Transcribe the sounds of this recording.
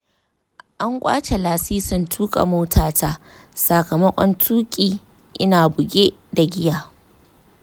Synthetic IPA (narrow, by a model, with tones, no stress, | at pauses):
ʔa˦ŋkʷʼa̰ː˦t͡ʃe˨laː˨siː˦sʊ˦ntʰuː˦kʼa̰˨moː˦tʰaː˨taː˦ | sa˨kɐ˨mɐ˦kʷʼɔ˦ntʰuː˦kʲʼiː˨ | ʔɪ˦naː˨bʊ˨ɡʲeː˦da˨ɡʲɪ˦jaː˨